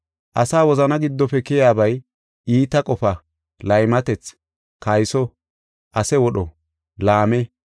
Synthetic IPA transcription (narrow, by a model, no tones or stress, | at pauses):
ʔɐsaːwɔzɐnɐɡɪd̪ːɔfɛkɪjaːbɐj | iːt̪ɐkʼɔfɐ | lɐjmɐt̪ɛt͡s | kɐjsɔ | ʔɐsɛwɔɗɔ | laːmɛ